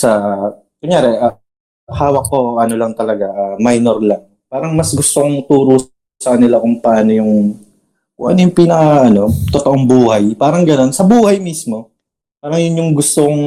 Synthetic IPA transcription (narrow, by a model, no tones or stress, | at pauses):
sɐ | kʊŋjaːɾɛʔa | haːwɐkːo̞ʔɐno̞lɐŋt̪ɐlɐɡaʔamajnoɾlɐŋ | paːɾɐŋmɐsɡʊst̪oŋt̪uːɾu | sɐkɐnɪlakʊŋpɐʔaːno̞jʊŋ | kʊŋʔɐ̰nojʊŋpiːnɐkɐɐno̞t̪ot̪oʔoŋbuːhɐjpaːɾɐŋɡɐno̞nsɐbuːhɐjmismo̞ | paːɾɐŋjʊnjʊŋɡʊst̪okʊŋ